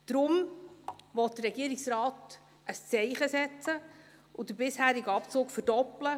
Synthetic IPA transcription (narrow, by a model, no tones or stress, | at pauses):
d̥ɾʊm | ʋɔt̚d̥ərːɛɡiːɾɪksrɑːt | ʔəst͡sɛɪχəsɛt͡sə | ʊd̥əbɪshæːɾɪɡəɑpt͡suːkfəɾd̥ɔplə